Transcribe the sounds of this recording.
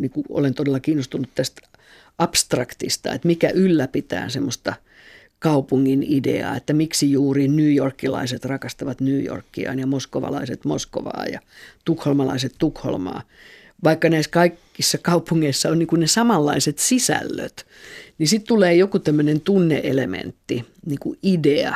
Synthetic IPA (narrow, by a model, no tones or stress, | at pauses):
nikuo̰lent̪odelːɑkiːnːost̪unut̪t̪æst̪ | ɑpst̪rɑkt̪ist̪ɑ̰ḛt̪mikæ̰ʔylːæpit̪æ̰ːnsemːost̪ɑ | kɑupuŋːinidḛɑ̰ːet̪ːæmiksijuːrinyːjorkːilɑ̰iset̪rɑkɑst̪ɑʋɑt̪nyːjo̰rkːiɑ̰ːnjɑmoskoʋɑ̰lɑ̰iset̪mo̰sko̰ʋɑ̰ːjɑ̰t̪ukholmɑlɑ̰iset̪t̪ukho̰lmɑ̰ː | ʋɑikːɑnæiskɑikːisːɑkɑupuŋːeisːɑonniːŋkunnesɑmɑlːɑiset̪sisæ̰lːø̰t̪ | nisit̪t̪uleːjokut̪æmːønent̪unːḛʔelemḛnt̪ːiniːkuʔideɑ